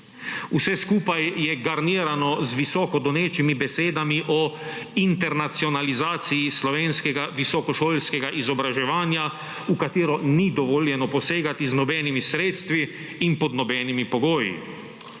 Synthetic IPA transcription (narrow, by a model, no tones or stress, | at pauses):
usɛskuːpajjɛɡaɾniːɾanɔzʋisɔːkɔd̪ɔneːt͡ʃimibɛseːd̪amiʔɔ | int̪ɛɾnat̪siɔnalizaːt̪sijislɔʋeːnskɛɡaʋisɔkɔʃoːlskɛɡaʔizɔbɾaʒɛʋaːnja | ukat̪eːɾɔnid̪ɔʋɔːljɛnɔpɔseːɡat̪iznɔbɛːnimisɾeːt̪st̪ʋiː | npɔd̪nɔbɛːnimipɔɡoːjḭ